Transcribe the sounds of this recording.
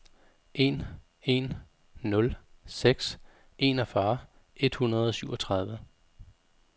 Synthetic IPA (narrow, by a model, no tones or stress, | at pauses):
ʔe̝̰n | e̝nː | ɔ̽lseɡ̥s | ʔe̝̰nɒfɶː | ʔe̝d̥hunɐð̞ˠɒ̽syʊ̰ɒ̽t͡sʰʁɑ̈ð̞ˠʋə